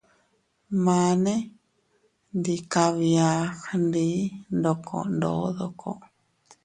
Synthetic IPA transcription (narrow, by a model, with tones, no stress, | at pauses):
mãː˨˧nẽ˦ | ndi˧ka˧βi˧a˧˦xnd̪i˦nd̪o˧kʰo̰˨ndo̰˨˦ðo˧kʰo̰˦ʔ